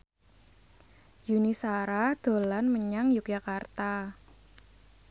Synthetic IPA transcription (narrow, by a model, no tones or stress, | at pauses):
junisaɾad̪̥o̤lanməɲaŋjʊk̚jakart̪a